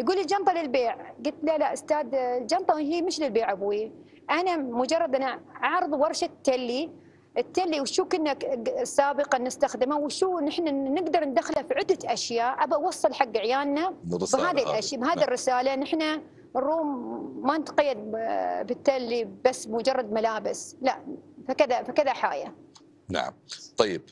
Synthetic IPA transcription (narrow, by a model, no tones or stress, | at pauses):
jɡuːlɪld͡ʒɑnt̪ˤɑlɪlbeːʕɡʊt̪lalaʔʊst̪aːd̪ld͡ʒɑnt̪ˤɑɦiːmɪʃlɪlbeːʕabwi | ʔanamʊd͡ʒɑrˤːɑd̪ʔanaʕɑʕɾɨðˤwɑɾˤʃat̪ːalːi | ʔɪt̪ːalːiwʃuːkɪnːaksːaːbɨqɑnɪst̪axd̪ɪmawʃuːnɪħnanɪɡd̪ɑɾˤnd̪axɪlafiʕʊd̪ːaʔaʃjaːʔʔabɑwɑsˤːɨlħaɡːaʕjaːlnabɦaːðilʔaʃjabɦaːðirːɪsaːlanɪħna | rːuːmːanɪt̪qɑjːad̪̚bɪt̪ːalːibasːbmʊd͡ʒɑrˤːɑd̪̚malaːbɪslaʔfakɪðafakɪðaħa̰ːja̰ | na̰ʕa̰mt̪ˤɑjːɪb̥̚